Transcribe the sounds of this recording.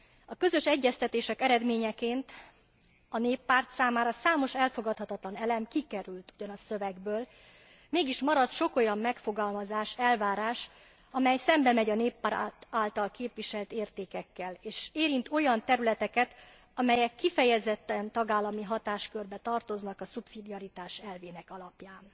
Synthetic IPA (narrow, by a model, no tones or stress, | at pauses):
ɒkø̞zø̞ʃɛɟːɛst̪ɛt̪eːʃɛkɛɾɛd̪meːɲɛkeːnt̪ | ɒneːpːaːrt̪saːmaːɾɒsaːmo̞ʃɛlfo̞ɡɒt̪hɒt̪ɒt̪lɒnɛlɛmkikɛɾylt̪uɟɒnɒsøvɛɡbøːl | meːɡiʃmɒɾɒt̪ʃo̞ko̞jɒmːɛkfo̞ɡɒlmɒzaːʃɛlvaːɾaːʃ | ɒmɛjsɛmbɛmɛɟɒneːpːaːɾt̪aːlt̪ɒlkeːpʋiʃɛlt̪eːrt̪eːkɛkːɛleːʃeːɾint̪o̞jɒnt̪ɛɾylɛt̪ɛkɛt̪ | ɒmɛjɛkːifɛjɛzɛt̪ːɛnt̪ɒɡaːlːɒmiɦɒt̪aːʃkørbɛt̪ɒrt̪o̞znɒkɒsupsid̪iɒɾit̪aːʃɛlveːnɛkɒlɒpjaːn